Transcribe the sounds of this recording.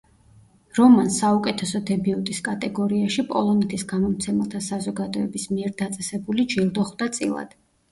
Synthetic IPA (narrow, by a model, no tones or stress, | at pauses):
ɾɔmansaukʼɛt̪ʰɛsɔd̪ɛbiut̪ʼiskʼat̪ʼɛɡɔɾiaʃipʼɔ̰lˠɔnɛt̪ʰisɡamɔmt̪sʰɛmɛlˠt̪ʰasazɔɡad̪ɔɛbismiɛɾd̪at̪sʼɛsɛbulid͡ʒilˠd̪ɔχd̪at̪sʼḭlˠa̰d̪̥